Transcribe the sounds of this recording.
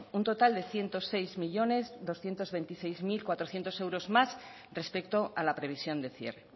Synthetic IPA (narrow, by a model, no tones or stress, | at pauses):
unt̪o̞t̪ald̪e̞θje̞nt̪o̞se̞jzmiʎo̞ne̞zðo̞sθje̞nt̪o̞zβe̞nt̪ise̞jzmilkwat̪ɾoθje̞nt̪o̞se̞wɾo̞zmas | rre̞spe̞kt̪o̞ʔalapɾe̞β̞isjo̞nd̪e̞θje̞̰re